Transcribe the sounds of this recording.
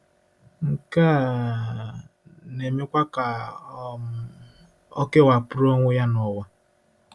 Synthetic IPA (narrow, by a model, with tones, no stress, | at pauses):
ŋ̩˨kaː˦˨ | ne˨me˦kʷa˦ka˨˦ | ɔ˦ke˦wa˨pʊ˦ɾo˦ŋʷʊ˦ja˦nɔ˨wa˦